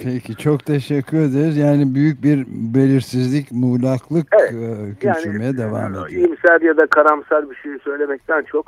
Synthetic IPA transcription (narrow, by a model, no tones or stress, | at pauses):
pʰecʰit͡ʃʰo̞kt̪ʰe̞ʃɛcʲʰːyɾe̞d̪eɾizjaːnibyjyc̚biɾbe̞lʲiɾsizlʲicmuːlʲˠaklˠɯkɛɟʰøanyɾme̞jɛd̪eva̰ːmed̪iimsælʲjad̪akʰaɾamsalʲbiʃejisø̞jlʲe̞mɛc̚t̪ʰænt͡ʃʰok